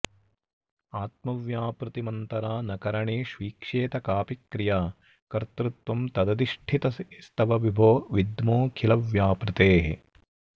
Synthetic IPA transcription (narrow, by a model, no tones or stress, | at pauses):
aːt̪̚mɐʋjaːpɾɪt̪imɐnt̪ɐɾaːnɐkɐɾɐɳeːʃʋiːkʂeːt̪ɐkaːpikɾɪjaː | kɐɾt̪ɾɨt̪ʋɐmt̪ɐd̪ɐd̪iʂʈʰit̪ɐst̪ɐʋɐʋibʱoːʋid̪moːkʰilɐʋjaːpɾɪt̪eːɦḛ